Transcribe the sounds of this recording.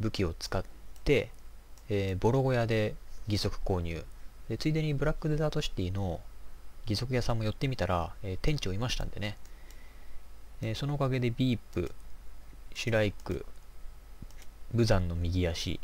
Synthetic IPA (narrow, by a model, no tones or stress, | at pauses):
bɯ̟kʲio̞t͡sɨ̥kat̪ːe̞ː | bo̞ɾo̞ɡo̞jad̪e̞ɡʲiso̞kɯ̟̥ko̞ːɲ̟ʲɯ̰ːd̪e̞t͡sɨid̪e̞ɲ̟ibɯ̟ɾakːɯ̟d̪ezaːt̪o̞ɕi̥t̪ʲiːno̞ | ɡʲiso̞kɯ̟jasãmːo̞jo̞t̪ːe̞mʲit̪aɾaeːt̪ẽ̞ɲ̟t͡ɕio̞imaɕi̥t̪ã̰nd̪e̞ne̞ | esono̞ːkaɡe̞d̪e̞bʲiːpːɯ̟̰ | ɕiɾaikɯ̟̰ | bɯ̟zãnːo̞mʲiɡʲijaɕḭ